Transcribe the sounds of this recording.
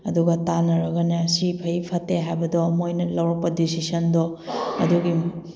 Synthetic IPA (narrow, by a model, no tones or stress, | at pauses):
ɐduɡɐtanɐɾɐɡɐnɐsipʰɐjpʰɐtːeɦajbɐdɔmojnɐlɐwɾɐk̚pɐdisisɐndɔɐ̰duɡi